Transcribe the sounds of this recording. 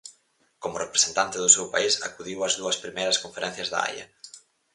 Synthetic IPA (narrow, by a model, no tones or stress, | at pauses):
komʊrepɾesent̪ant̪ɪðʊsewpaisa̰kuðiwɐzðuɐspɾimejɾɐskõɱfeɾɛn̟θjɐzða̰a̰jɐ̰